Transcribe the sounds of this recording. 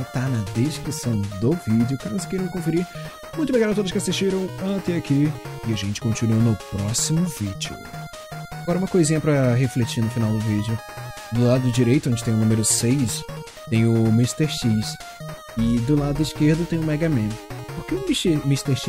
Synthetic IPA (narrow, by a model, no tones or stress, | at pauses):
t̪anɐd̪eskɾisɐ̃w̃d̪ʊvid͡ʒɪʊkaɾɐskejɾẽw̃kõfiɾi | mũj̃t̪ʊbeɡaɾʊat̪od̪ʊsʃkɪasiʃt͡ʃiɾɐ̃w̃ɐ̃t̪ɛakʰiɪaʒẽnt͡ʃɪ̥kõt͡ʃinuɐnʊpɾɔsimʊvid͡ʒʊ̰ | aɡɔɾɐũmɐkojzĩɲɐpɾɐɦeflet͡ʃinʊfinawd̪ʊvid͡ʒʊ | d̪ʊlad̪ʊd̪ʊd͡ʒiɾejt̪ʊõnd͡ʒɪt̪ẽj̃ʊnũmeɾʊsejs | t̪ẽj̃ʊmist̪eɾʃis | ɪd̪ʊlad̪d̪ʊiskeɾd̪ʊt̪ẽj̃ʊ̃mɛɡamẽpoɾkemimist̪eɾʃi